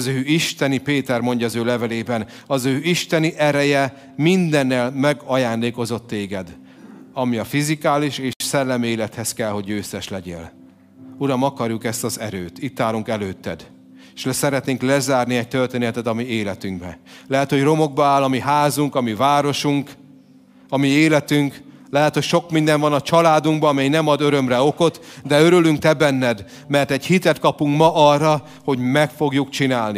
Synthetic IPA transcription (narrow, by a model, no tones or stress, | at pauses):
zøːiʃt̪ɛnipeːt̪ɛrmo̞ɲɟɒːzøːlɛvɛleːbɛn | ɒzøːiʃt̪ɛniʔɛɾɛjɛ | mind̪ɛnːɛlmɛɡɒjaːnd̪eːko̞zo̞t̪ːeːɡɛd̪ | ɒmiɒfizikaːliʃeːʃsɛlːɛmieːlɛt̪hɛskɛlho̞ɟøːsɛʃlɛɟḛːl | uɾɒmɒkɒrjukɛst̪ɒzɛɾøːt̪it̪ːaːɾuŋkɛløːt̪ːɛ̰d̪ | eʃɛsɛɾɛt̪neːŋklɛzaːrniɛc̚t̪ø̞rt̪eːnɛt̪ɛt̪ɒmieːlɛt̪yŋɡbɛ̰lɛɦɛt̪ho̞ɟro̞mo̞ɡ̚bɒaːlɒmiɦaːzuŋkɒmivaːɾo̞ʃuŋk | ɒmieːlɛt̪yŋk | lɛɦɛt̪ho̞cʃo̞kmind̪ɛɱvɒnɒt͡ʃɒlaːd̪uŋɡbɒːmɛjnɛmɒd̪ø̞ɾømrɛo̞ko̞t̪d̪ɛøɾylyŋk̚t̪ɛbɛnːɛd̪ | mɛrt̪ɛɟhit̪ɛt̪kɒpuŋkmɒʔɒrːɒ | ho̞ɟmɛkfo̞ɡjukt͡ʃinaːlni